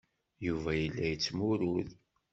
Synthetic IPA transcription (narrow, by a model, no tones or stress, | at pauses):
juvæjəlːæjət͡sːmʊɾʊð